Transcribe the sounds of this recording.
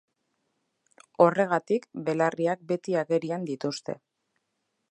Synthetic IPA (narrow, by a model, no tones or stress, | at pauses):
o̞re̞ɣ̞at̪ikbe̞lariak̚be̞t̪iaɣe̞ɾiand̪it̪ust̪e̞̰